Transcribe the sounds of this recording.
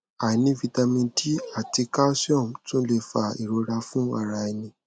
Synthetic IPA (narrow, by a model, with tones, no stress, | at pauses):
a˨nĩ˨˦vi˧˦ta˧mĩ˧di˦a˦˨ti˧ka˦sɔ̃˦˨mtũ˦le˧fa˧˨i˨ɾo˧˦ɾa˧fũ˦a̰˦˨ɾa˧ɛ˧nĩ˧